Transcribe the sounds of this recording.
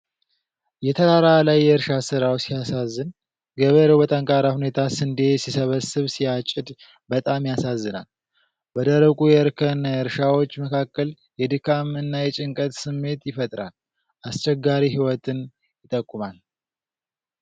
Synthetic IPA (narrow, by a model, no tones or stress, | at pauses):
jɛt̪ʰəd̪aɾalajːɛɨɾʃasɨɾawsijasazːɨn | ɡəβəɾewbət̪ʼəŋkʼaɾahune̞t̪ʰasɨnd̪esisəβəsɨβsijat͡ʃʼːɪd̪ | bət̪ʼamjasazːɨna̰l | bəd̪əɾəkʼujɛɾkʰənjɨɾʃawo̞t͡ʃːməkʰakːəl | jɛd̪ɨkʰamɨnːajɛt͡ʃʼɪŋkʼət̪sɨmːe̞t̪jɪfət̪ʼɾa̰l | ʔast͡ʃʼɛɡːaɾiɦiwɔt̪ʰɨn | jɪt̪ʼəkʼːumal